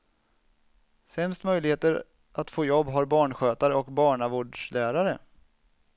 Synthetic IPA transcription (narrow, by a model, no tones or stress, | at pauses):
sɛmst̪mœjlɪɡheːt̪əɾ | ʔat̪foːjɔbːɦaɾbɑːɳɧøːt̪aɾəɔkbɑːɳavoːɖʂlæːɾaɾə